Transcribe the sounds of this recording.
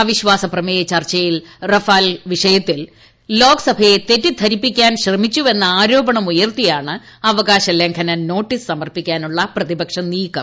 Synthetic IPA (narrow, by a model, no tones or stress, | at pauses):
ɐʋiɕʋaːsɐprɐmejɐt͡ɕɐrt͡ɕːɐjilrɐfaːlʋiʂɐjɐt̪ːil | lo̞ːɡɐsɐbʱɐjet̪e̞tːit̪ʰɐɾipːikʲːaːnɕrɐmit͡ɕːue̞nːɐaːɾo̞ːbɐɳɐmujɐrt̪ijaːɳɨ | ɐʋɐɡaːɕɐleŋkʰɐnɐno̞ːʈːissɐmɐrpikʲːaːnuɭːɐprɐðibɐkʂɐniːkːɐm